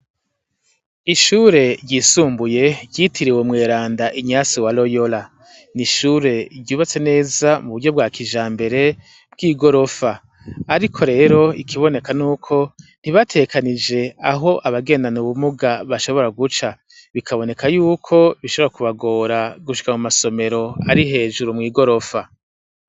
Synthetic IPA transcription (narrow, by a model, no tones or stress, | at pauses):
iʃuːɾe̞ɾɟiːsuːmbuje̞ɟitʰiɾiwemŋe̞ːɾaːndaʔiɲaːsiwalo̞jo̞la | niʃuɾe̞ɾɟuːβat͡se̞ne̞ːzamuβuɾɟo̞b̚ɡwaːkiʒaːmbe̞ɾe̞ | b̚ɡiːɡo̞ɾo̞fa | aɾikʰo̞ɾe̞ːɾo̞ikʰiβo̞ne̞kanuːkʰo̞n̥iβatʰe̞kʰanid͡ʒe̞aɦo̞ʔaβaɡe̞ːndanuβumuɡaβaʃo̞βo̞ɾaɡut͡ʃa | βikʰaβo̞ne̞kʰajuːkʰo̞βiʃoβɾakuβaɡo̞ːɾaɡuʃi̥kamumaso̞me̞ɾo̞aɾiɦe̞ːʒuɾumŋiːɡo̞ɾo̞fa